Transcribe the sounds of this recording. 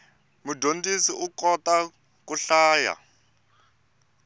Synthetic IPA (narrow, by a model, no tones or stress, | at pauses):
mudʱondisiʔukɔta | kuɬaːja̰